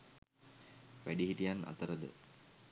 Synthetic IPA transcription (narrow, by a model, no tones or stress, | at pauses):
ʋæɖiɦiʈijana̰t̪əɾəd̪ə̰